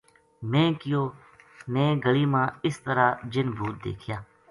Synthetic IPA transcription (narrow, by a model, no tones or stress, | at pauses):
mẽːkɪjoː | nẽːɡəɭiːmãːɪst̪əɾaːd͡ʒɪnbʱuːt̪̚d̪ḛːkʰɪjaː